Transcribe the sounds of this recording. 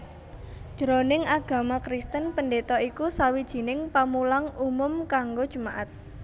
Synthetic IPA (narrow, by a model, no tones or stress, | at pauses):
ʒ̥əɾɔnɪŋaɡ̥a̤makɾist̪ənpəndet̪ɔʔikusawid̥ʒ̥i̤nɪŋpamulaŋumʊmkaŋɡod̥ʒ̥ṳmaʔat̪̚